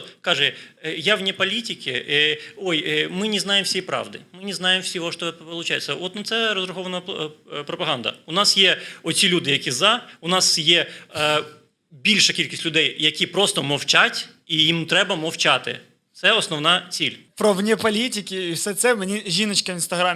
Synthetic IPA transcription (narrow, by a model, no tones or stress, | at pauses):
t̪kɑʒɛjaʋnʲɛpɐlʲitʲɪkʲɪ | ɔjmɪnʲɪznɑjemfsʲɛjpɾɑ̰ʋd̪ɪ̰mɪnʲɪznɑjemwsʲiʋɔʃt̪ɔpɔlˠʊt͡ʃajɪt͡ssʲːɐɔt̪nɐt̪sɛɾɔzɾɐxɔʋɐnɐpɾɔpɐɦɑnd̪ɐ̰ʊnɑsjɛɔsʲilʲud̪ɪjɐkʲizɑʊnɑsjɛ | bʲilʲʃɐkʲilʲkʲisʲtʲlʲʊd̪ɛjjɐkʲipɾɔst̪ɔmɔwt͡ʃatʲ | ijimt̪ɾɛbɐmɐwt͡ʃat̪ɪ̰ | t̪sɛɔsnɔwnɑt͡sʲilʲ | pɾɔʋnʲɛpɐlʲitʲɪkʲɪiwsɛt̪sɛwmenʲiʒʲinɐt͡ʃkɐinst̪ɐɦɾamʲ